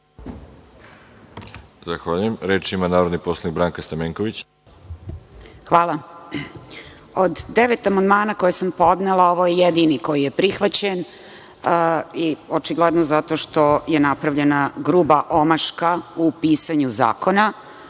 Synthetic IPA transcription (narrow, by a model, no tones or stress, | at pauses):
zaxʋaːʎujemɾet͡ʃimanaːɾo̞d̪niposlˠaniɡbɾaːŋkast̪ameŋkoʋit͡ɕ | xʋaːla | od̪ːeʋet̪amand̪maːnako̞jesampo̞d̪nelao̞ʋo̞jejed̪iniko̞jije̞pɾixʋat͡ɕen | iot͡ʃiɡled̪nozat̪o̞ʃt̪o̞je̞napɾavʎe̞naɡɾubaʔo̞maʂkaupiːsaɲuza̰ːkona